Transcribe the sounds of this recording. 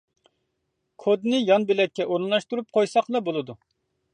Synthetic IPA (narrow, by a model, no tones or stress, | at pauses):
kʰod̪nɨjɑnbɪlɛkʲːɛʔoɾnlˠɑʃt̪uɾup̚qʰojsɑqlˠɑbolˠɨd̪u